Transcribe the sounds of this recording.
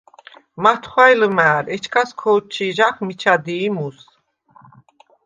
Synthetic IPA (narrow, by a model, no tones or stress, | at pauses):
mat̪ʰχwajləmæːɾɛt͡ʃʰkʰaskʰɔːt͡ʃʰiʒaχmit͡ʃʰad̪iːmus